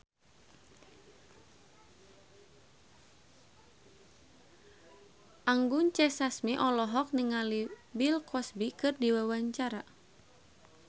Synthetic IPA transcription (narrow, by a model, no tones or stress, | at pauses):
ʔaŋɡuɲt͡ʃɛsasmiʔɔlɔɦɔk̚niŋalibilkɔsbikɨrdiwawaɲt͡ʃaɾa